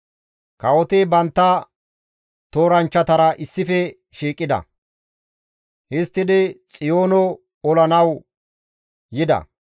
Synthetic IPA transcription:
kɐwɔt̪ɪbɐnt̪ːɐ | t̪oːɾɐnt͡ʃːɐt̪ɐɾɐʔɪsːɪfɛ | ʃiːkʼːɪd̪ɐ̰ | hɪst̪ːɪd̪ɪt͡sʼɪjo̞ːnɔ | ɔlɐnɐw | jɪd̪ɐ̰

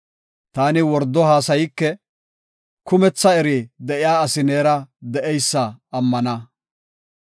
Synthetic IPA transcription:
t̪aːnɪwɔɾd̪ːɔhaːsɐjɪkːɛ | kʊmɛt͡sːɐɛɾid̪ɛʔɪjaːsɪneːɾɐd̪ɛʔɛjsːɐːmːɐnɐ

